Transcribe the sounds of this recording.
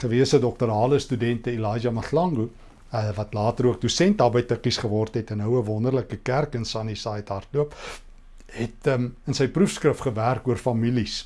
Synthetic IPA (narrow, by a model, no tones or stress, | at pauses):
χəviəsədɔk̚təɾɑːləstydɛntəilɑːd͡ʒɐmɐslɐŋɡu | vɐtlɑːtəɾuək̚dusɛntɑbəjtəkisχəvɔrtɦɛtənɦəwəvɔndərləkəkærkənsɑnisɑjtɦɐrtluəp | ɦɛtmənsəjprufskrəfχəværkuərfɐmilis